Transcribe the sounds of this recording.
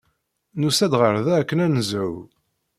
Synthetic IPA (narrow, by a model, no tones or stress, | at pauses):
nusæd̪ʁəɾˤðæækːənænəzʕʊ̰w